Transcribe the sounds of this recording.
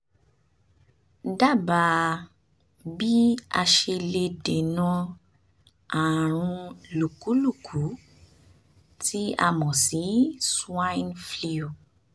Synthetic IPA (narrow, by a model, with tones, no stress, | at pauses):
da˦˨ba˧ | bi˦a˧ʃe˧le˧de˨nã˧ | a˨ɾ̃ũ˧lu˨ku˨˦lu˦˨kʰu˨˦ | tʰi˦a̰˧mɔ̃˨si˨˦sã˦nfli˦˧o˨